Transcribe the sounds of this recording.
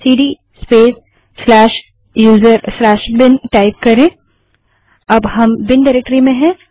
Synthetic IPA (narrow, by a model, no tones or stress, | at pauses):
siːɖi | speːsː | lɛːʃ | juːzəɾslɛːʃbɪnʈaːɪp̚kɐɾẽː | ɐbɦɐmbɪnɖɪɾek̚ʈəɾimẽɦɛ̃